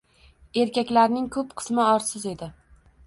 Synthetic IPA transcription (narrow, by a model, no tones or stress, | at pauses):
e̞ɾkʲakʲlaɾnɪŋkʰɵpqʰɨ̥smɪɒɾsɪze̞d̪ɪ